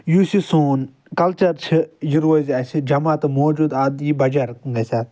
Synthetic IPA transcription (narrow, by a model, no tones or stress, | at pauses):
juːsisoːn | kɐlt͡ʃɐɾt͡ʃʰijiɾozʲasid͡ʒɐmaːt̪ɨmoːd͡ʒuːd̪ad̪jibɐd͡ʒɐɾŋɡɐsʲaː